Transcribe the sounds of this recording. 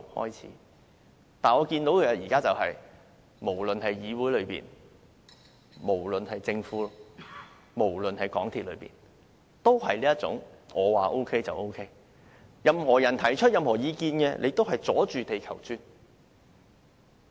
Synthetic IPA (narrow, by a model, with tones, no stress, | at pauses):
hɔ̰ː˥jt͡sʰḭː˨˥ | t̪aː˨nɔː˨˧kiː˧nt̪o˨˥wkʰːjiː˨˩kaː˥t͡sɐ˨whɐ̰˨j | mo˨˩wlɵ˨nɦɐ˨jjiː˨˧wuː˨˥jlɵ˨˧ɥpḭː˨n | mo˨˩wlɵ˨nhɐ˨jt͡sɪ˧ŋfuː˨˥ | mo˨˩wlɵ˨nhɐ˨˩jkɔː˨˥ŋt̪ʰiː˨t̚lɵ̰˨˧˥pḭː˨˩n | t̪o˥whɐ˨jliː˥jɐ˥t̚t͡sʊ̰˨˥ŋɔː˨˧waː˨ʔo˥wkʰe˥jt͡sɐ˨wʔo˥wkʰe˥j | jɐ˨mhɔː˨˩jɐ˨˩nt̪ʰɐ˨˩jt͡ʃʰɵ˥t̚jɐ˨mhɔː˨˩jiː˨˧kiː˧nkɛː˧lʔḛ˨˧jt̪o˥whɐ˨˩jt͡sɔː˨˥t͡ʃyː˨t̪e˨jkʰɐ˨˩wt͡syː˥n